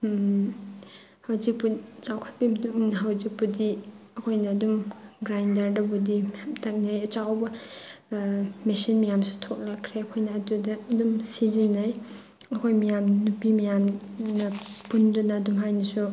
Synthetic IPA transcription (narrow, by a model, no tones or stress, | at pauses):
hawzik̚put͡ʃawkʰat̚bibɐdunɐɦawzik̚pudiɐkʰojnɐːdumɡɾajndaɾdɐbudihaptʰak̚najɐt͡ʃawbɐ | mesinmijamsu̥tʰok̚lɐkʰɾeɐkʰojnɐːdudɐːdumsizinːaj | ɐkʰojmijamnupimijamnɐpundunɐːdumɦajnɐsu